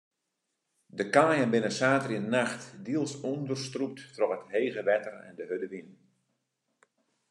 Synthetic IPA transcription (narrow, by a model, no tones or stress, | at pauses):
dəkaːjənbɪnəsaːtərinnaxtdiəlˠsɔndərstrup̚tːrɔkətɦeːɣəʋɛtərɛ̰ndəɦødəʋin